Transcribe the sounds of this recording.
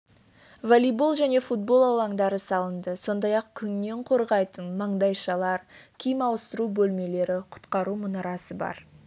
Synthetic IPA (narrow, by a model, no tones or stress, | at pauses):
volijbo̞lˠʒæne̞fut̪̚bo̞lˠɑlˠɑɴd̪ɑɾəsɑlˠənd̪əso̞nd̪ɑjɑqkʲʰʏnne̞ɴqʰo̞ɾʁɑjt̪ənmɑɴd̪ɑjʃɑlˠɑɾkʲʰijmɑwəst̪əɾubɵlme̞le̞ɾɪqʰʊ̥t̪qɑɾumʊnɑɾɑsəbɑ̰ɾ